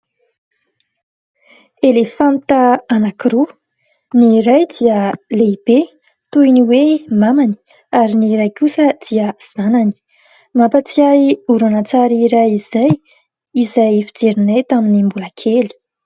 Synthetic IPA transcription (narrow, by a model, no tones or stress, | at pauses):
elefãnt̪əanakɾo | niɾajd̪iəleib̥e | t̪ujniwemamani̥ | aɾiniɾajkusəd̪̥iəz̥anani̥ | mapat͡siauɾanat͡saɾiɾaizaj | izajfid͡zeɾinet̪aminimbulakʰeli̥